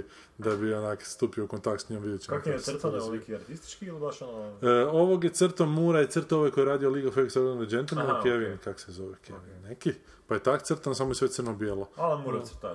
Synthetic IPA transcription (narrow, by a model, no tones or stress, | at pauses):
d̪abionakst̪upioukont̪akt̪sɲomʋid̪jet͡ʃi̥akst̪nekiaɾt̪ist̪i̥t͡ʃkiilibaʃono̞ʋoɡjet̪sɨrt̪omːuːɾajet̪srt̪oʋojkojeɾaːd̪ioliɡafeksaβand̪od͡ʒent̪l̩ˠmankjeʋinkako̥sezo̞ʋekeʋinneki | pajet̪akt̪srt̪ansamojesʋet̪sɨrɾnobjeːlˠoalmuɾt̪